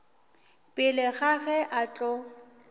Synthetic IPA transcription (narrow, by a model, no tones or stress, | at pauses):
pʼɪlɪɣaɣɛʔat͡ɬʼɔ